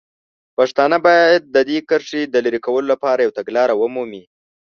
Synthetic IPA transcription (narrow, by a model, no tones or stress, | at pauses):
pɑʂt̪ɑnabɑjajad̪̚ːəd̪ekəɾʂid̪əlaɾikawəlolapɑɾajawt̪aɡlɑɾawəmumi